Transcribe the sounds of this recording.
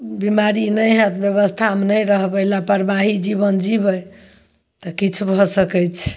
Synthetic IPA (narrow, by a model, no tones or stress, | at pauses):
bimaɾinəjɦet̪bjeβəst̪ʰamnəjɾəɦbəlapəɾbaɦid͡ʒiβənd͡ʒibəj | t̪ɔkit͡ʃʰubʱɔsəkɛt͡ʃʰ